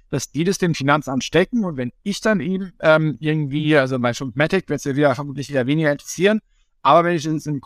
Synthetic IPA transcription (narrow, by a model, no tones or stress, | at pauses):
d̥asd̥iːdasd̥eːmfinant͡sʔamtʃtɛkŋ̩ʊntvɛnɪçd̥anʔiːbm̩ʔɛːmʔɪɐɡŋ̩tv̥iːalzomaɪnʃʊmtmɛtɪkv̥ɪɐsiviːɐfɛɐmuːtlɪçveːdɐveːnɪɡɐɪntʁ̥ɛsiːʁən | ʔaːbɐvɛnɪçɪnsɪk